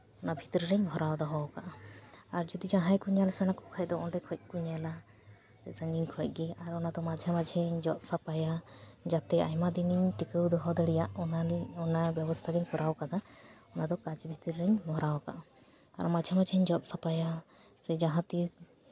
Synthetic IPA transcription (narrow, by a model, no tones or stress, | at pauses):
ɔnabʱit̪ɾiɾɛɲbʱɔɾawd̪ɔɦɔwkaʔaɾd͡ʒɔd̪id͡ʒãɦãjkuɲalsɔnakɔkʰac̚d̪ɔɔɖɛkʰɔc̚kuɲala | sɛsaŋiɲkʰɔc̚ˀɡɛaɾɔnad̪ɔmad͡ʒʱamad͡ʒʰʱɛɲd͡ʒɔt̪̚sapajad͡ʒat̪ɛa̰jmad̪iniɲʈikəwd̪ɔɦɔd̪ɔɽɛjaʔɔnabjɛbɔst̪ʰaɡɛɲkɔɾawkad̪aɔnad̪ɔkat͡ʃbʱit̪ɾiɾɛɲmɔɾawka̰ʔ | ka̰ɾɔmad͡ʒʱamad͡ʒɛɲd͡ʒɔt̪̚sapaja | sɛd͡ʒaɦãt̪i